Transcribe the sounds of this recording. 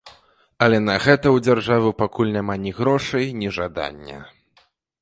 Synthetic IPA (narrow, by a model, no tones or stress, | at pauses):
ɐlʲɛnɐɣɛt̪ɐwd͡zʲarʐavɨpakulʲnʲamanʲiɣɾɔʂɐjnʲiʐad̪a̰nʲːɐ̰